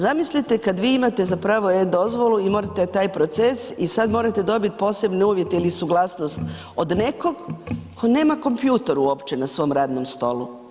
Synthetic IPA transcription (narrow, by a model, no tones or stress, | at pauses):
zamislit̪e̞kad̪ʋiːimat̪e̞zapɾaːʋoed̪o̞zʋo̞luimo̞ːɾat̪et̪aːjpɾo̞t̪sesisad̪mo̞ːɾat̪e̞d̪o̞bit̪̚po̞ːse̞bneuːʋje̞t̪ilisuɡlˠasnost̪ | o̞d̪ne̞ko̞ɡkʰo̞ne̞ːmako̞mpjuːt̪eɾuo̞pt͡ʃe̞nasʋo̞mɾaːd̪no̞mst̪o̞̰lu